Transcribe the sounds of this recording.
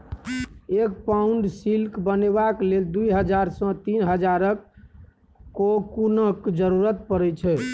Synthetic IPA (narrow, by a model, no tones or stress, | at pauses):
ekpauɳɖsilkbənebakleld̪ujɦəd͡ʒaɾsɔ̃t̪inɦəd͡ʒaɾək | kːokunəkd͡ʒəɾuɾət̪̚pəɾɛt͡ʃʰɛ